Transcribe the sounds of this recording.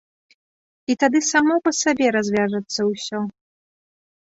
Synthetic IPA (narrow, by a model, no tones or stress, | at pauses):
it̪ad̪ɨsamɔpɐsabʲɛɾazʲvʲaʐɐt̪sːɐwsʲɔ